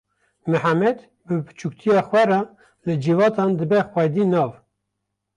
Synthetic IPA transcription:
mɨħamɛd̪ | bɨbɨ̥t͡ʃʰuk̚t̪ʰijɑːxwɛrɑ | lɨd͡ʒivɑːt̪ʰɑːnd̪ɨbɛxwɛd̪iːnɑːv

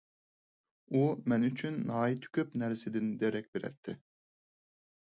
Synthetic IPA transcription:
umɛnyt͡ʃʰynːɑːit̪ʰy̥kʲʰøpnæɾsɪd̪ɪnd̪eɾɛk̚ʲbeɾɛ̰t̪ʰːɪ

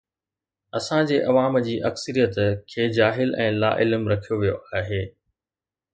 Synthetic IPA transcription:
ɐsãd͡ʑeːʔɐʋaːmd͡ʑiːʔɐksəɾijət̪kʰeːd͡ʑaːɦɪlɛ̃ːla̰ːʔɪlmɾɐkʰijoʋijoʔaːɦeː

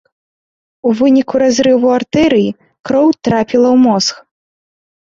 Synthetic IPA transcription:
uvɨnʲikuɾazɾɨvuart̪ɛɾɨji | kɾɔwt̪ɾapʲilˠɐwmɔsx

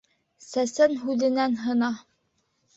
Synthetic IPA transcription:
sæsænɦʉðɘ̆nænɦɤ̆nɑ

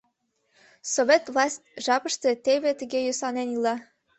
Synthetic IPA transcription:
soβʲet̪vlˠɑsʲtʲʒɑpəʃt̪et̪eβet̪əɣejøsɑnenilɑ

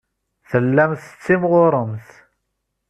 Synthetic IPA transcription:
θəlːæmθə̥t͡sːimʁʊɾˤəmθ

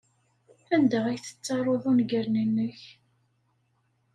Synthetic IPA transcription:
ænd̪æʁæjθə̥t͡sːɑrˤoðˤʊnɡəɾnənːəç

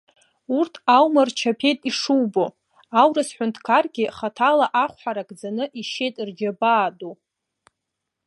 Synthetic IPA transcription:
urtʰawmart͡ʃʰapʰe̞jtʼiʂuwbo̞ | awrɨsħʷʊntʰkʰarɡʲɪχatʰalaʔaχʷħaɾakʼd͡zanɨʔiʃe̞jtʼrd͡ʒabaːdo

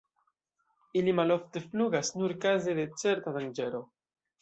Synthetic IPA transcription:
ilimalo̞fte̞fluɡasnuɾkazede̞t͡se̞ɾtadaŋd͡ʒe̞ɾo̞

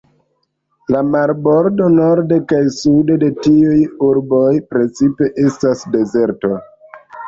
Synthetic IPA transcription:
lamaɾbo̞ɾdo̞no̞ɾdekajsudede̞tiujuɾbo̞jpɾe̞t͡sipe̞ʔe̞stasde̞ze̞ɾto̞

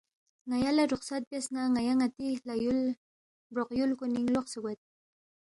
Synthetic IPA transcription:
ŋajalaɾʊχsat̪̚basnaŋajaŋat̪ilajʊl | bɾoqjʊlkʊnɪŋloχsaɡʷat̪̚

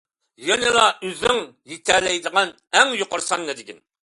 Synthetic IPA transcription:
jɛnɪlˠɑʔøzɪŋjit̪ʰæɾlɛjd̪əʁɑn | æŋjoqʊɾsɑnːɛd̪ɪkʲin

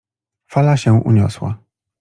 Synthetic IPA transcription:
falaɕɛ̃ʔṵɲɔ̰swa̰

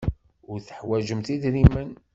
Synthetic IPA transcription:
ʊɾθəħwæʒəmθid̪ɾimən

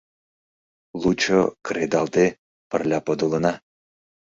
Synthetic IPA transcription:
lˠut͡ɕokɾed̪ɑld̪e | pərlʲɑpod̪olɤ̆nɑ

